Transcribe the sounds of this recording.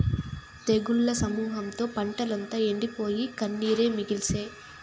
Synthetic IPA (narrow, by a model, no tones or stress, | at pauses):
t̪eɡuɭːɐsɐmuːɦɐmt̪o̞ːpɐɳʈɐlɐnt̪ɐːe̞ɳɖipo̞ːjikɐnːiːɾe̞ːmiɡilseː